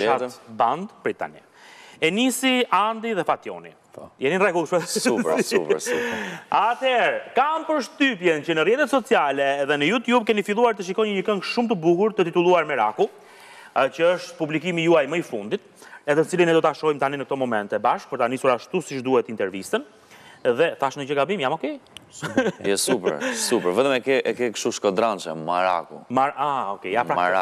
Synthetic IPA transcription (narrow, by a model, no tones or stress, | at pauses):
aband̪bɾit̪a̰nḭaɛnisiand̪iðɛfat̪jɔ̰nḭ | jɛninrɛɡulˠʃpɛsup | at̪ɛɾkampəɾʃt̪ypjɛncənərjɛt̪ɛt̪sɔt͡sialɛːðɛnəjut̪jubkɛnifilˠuaɾt̪əʃ̬ikɔjɲəɲəkəŋɡʃumt̪əbuhuɾt̪ət̪it̪ulˠuaɾmɛɾa̰ku | t͡ɕəəʃt̪publik̬imijuajməifund̪it̪ | ɛðɛt̪ət͡silinɛd̪ɔt̪aʃɔjmt̪aninək̚t̪ɔmɔmɛnt̪ɛbaʃk̚pəɾt̪anisuɾaʃt̪usiʃd̪uhɛt̪int̪ɛɾvist̪ən | ɛðɛθaʃnəd͡ʑəɡabimjamɔkɛ | ɛsupɾsupɛɾvɛt̪əmɛkɛɛkɛkʃt̪uʃkɔd̪ɾant͡ʃɛ̰ma̰ɾa̰kṵmaaɔkɛ̰apɾaaa̰